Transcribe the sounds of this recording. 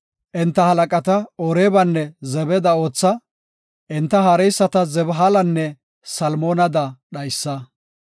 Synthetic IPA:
ʔɛnt̪ːɐhɐlɐkʼɐt̪ɐɔɾeːbɐnːɛzɛbɛd̪ɐo̞ːt͡sːɐ | ʔɪnt̪ːɐɦaːɾɛjsːɐt̪ɐzɛbɦalɐnːɛ | sɐlmoːnɐd̪ɐɗɐjsːɐ

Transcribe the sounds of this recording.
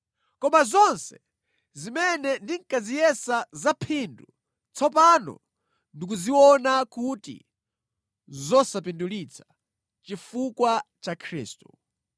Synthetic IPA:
kɔmazɔnsɛ̥ | zimɛnɛndiŋkazijɛsazapʰindṵ | t͡sɔpanɔ̰ | ndik̬uziwɔnakutḭ | zɔsapindulit͡sʰḁ | t͡ʃifukwat͡ʃakʰɾḭːstu̥

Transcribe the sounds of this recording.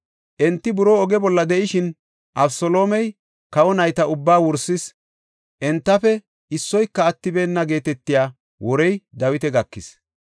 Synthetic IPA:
ʔɛnt̪ːɪbʊɾo̞ːɔɡɛbɔlːɐd̪ɛʔɪʃɪn | ʔɐbsɔlo̞ːmɛj | kɐwɔnɐjt̪ɐʊbːaːwʊɾsːɪs | ʔɛnt̪ːɐfɛ | ɪsːɔjkːɐːt̪ːɪbeːnːɐɡe̞ːt̪ɛt̪ːɪjaː | wɔɾɛjd̪ɐwɪt̪ɛɡɐkːɪs

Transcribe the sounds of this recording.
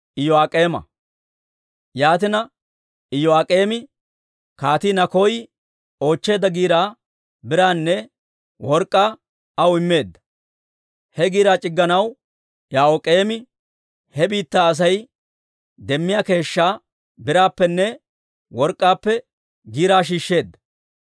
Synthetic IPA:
ɪjɔaːkʼe̞ːmɐ̰ | jaːt̪̬ɪnɐ | ɪjɔaːkʼe̞ːmɪ | kaːt̪iːnɐkɔj | o̞ːt͡ʃːe̞ːd̪ːɐɡiːɾaː | bɪɾaːnːɛ | wɔɾkʼːaː | ɐwɪmːe̞ːd̪ːɐ̥ | hɛɡiːɾaːt͡ʃʼɪɡːɐnɐw | jaːʔokʼe̞ːmɪ | hɛbiːt̪ːaːɐs̬ɐj | d̪ɛmːɪjaːke̞ːʃːaː | bɪɾaːpːɛnːɛ | wɔɾkʼːaːpːɛ | ɡiːɾaːʃ̬iːʃːe̞ːd̪ːɐ̥

